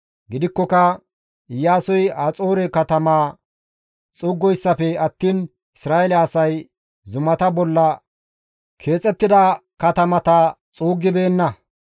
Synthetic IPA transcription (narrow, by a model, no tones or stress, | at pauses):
ɡɪd̪ɪkːɔkɐ | ɪjːaːsɔjat͡sʼo̞ːɾɛkɐt̪ɐmaː | t͡sʼʊɡːɔjsːɐfɛɐt̪ːiːn | ɪsɾaːjɛlɛːsɐj | zʊmɐt̪ɐbɔlːɐ | kʰe̞ːt͡sʼːɛt̪ːɪd̪ɐkɐt̪ɐmɐt̪ɐ | t͡sʼuːɡːɪbe̞ːnːɐ